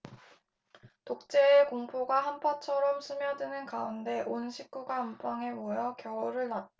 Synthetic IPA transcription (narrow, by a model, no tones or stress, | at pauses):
tok̚t͡ɕ͈e̞ːkoŋpʰoɡaɦampʰat͡ɕʰʌɾʌmsʰɯmjʌdɯnɯnkaunde̞ʔonɕʰik̚k͈uɡaːmp͈ʰaŋemojʌkjʌʌɾɯɭnat̚